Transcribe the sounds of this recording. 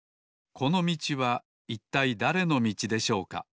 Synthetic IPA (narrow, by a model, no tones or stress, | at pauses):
kʰo̞no̞mʲit͡ɕiβa | it̪ːaid̪aɾe̞no̞mʲit͡ɕid̪e̞ɕo̞ːka̰